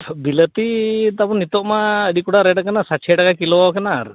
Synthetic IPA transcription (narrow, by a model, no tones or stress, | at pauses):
bilət̪it̪apɔnit̪ɔʔmaəɖikuɽaɾɛɖakanasat͡ʃʰɛʈakakilɔawkanaɾ